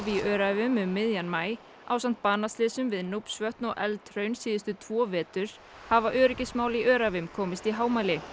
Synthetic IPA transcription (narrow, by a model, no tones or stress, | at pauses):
viœːɾavʏmʏmːɪðjanmaːj | a̰wsan̥t̪̚paːnast̪lɪːsʏmvɪðnupsvœht̪nɔɣʔɛlt̪ʰɾœɥnsiːðɪst̪ʏt̪ʰv̥ɔːvɛːt̪ʏɾ̥ | havaʔœːɾʏcɪsmaːwliʔœːɾavɪmkʰɔːmɪst̪iɦaːwmajlɪ